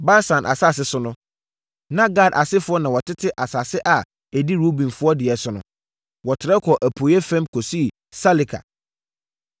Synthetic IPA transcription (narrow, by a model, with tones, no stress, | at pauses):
baː˦sã˨nʔa̰˨sa˦˨s̬ɪ˦sʊ˦nʊ̃˦ | nã˦ɡa˨dʔa˨sɪ˦fʊ˦ɔ˦nã˨wɔ˨tʰɪ˦tʰɪ˦ʔa˨sa˨sɪ˦ʔa˨ | e˨di˦ɾo˦bĩ˨nfʊ˦ɔ˦dɪ˨ɛ˨sʊ˦nʊ̃˦ | wɔ˨tʰɪ˨ɾɛ˦kʰɔ˨ʔæ˨pʰoː˨jɛ˦fɛ̃˦mkʰɔ˨si˦˨ | sa˦li˨kʰa̰˨